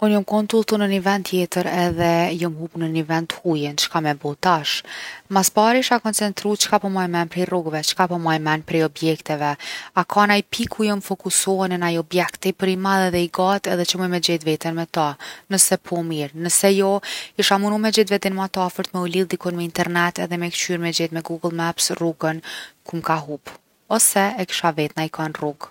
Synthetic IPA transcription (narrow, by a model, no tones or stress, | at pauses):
unjɔmkɔnt̪ulˠt̪unənivɛnd̪t̪ːjɛt̪əɾɛðɛjɔmhupunənivɛnt̪hujɛnt͡ʃkamɛbɔt̪aʃmaspaɾiʃakɔnt͡sɛnt̪ɾut͡ʃkapɔmajmɛnpɾɛjrɔɡvɛt͡ʃkapɔmajmɛnpɾɛjɔbjɛkt̪ɛvɛakʰanaipʰikʰujɔmfɔkusɔɛnənajɔbjɛkt̪ipəɾimalˠɛðɛiɡat̪ɛðɛt͡ʃəmɔjmɛd͡ʑɛt̪vɛt̪ənmɛt̪anəsɛpʰɔmiɾnəsɛjɔiʃamunumɛd͡ʑɛt̪vɛd̪ɛnmat̪afəɾt̪mɛulilˠd̪ikɔnmɛint̪ɛɾnɛt̪ɛ̰ðɛmɛkt͡ʃyɾmɛd͡ʑɛt̪mɛɡuɡəlˠmɛɛpsruɡənkumkaɦup | ɔsɛɛki̥ʃavɛt̪naikʰanruɡ